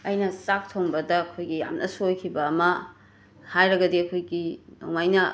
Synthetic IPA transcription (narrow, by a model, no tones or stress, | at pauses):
ɐjnɐsak̚tʰoŋbɐdɐːkʰojɡija̰mnʔɐ̰suojkʰibɐːmɐ | hajɾɐɡɐdiɐkʰojɡino̰wmajnɐ